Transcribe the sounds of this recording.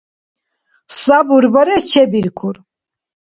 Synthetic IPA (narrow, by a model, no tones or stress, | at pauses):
sabuɾbɔɾɛst͡ʃʰɛbiɾkʰuɾ